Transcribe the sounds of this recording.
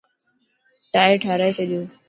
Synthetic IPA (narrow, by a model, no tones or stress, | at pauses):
ʈaːeʈʰaːɾaːet͡ʃʰəɗɪjoː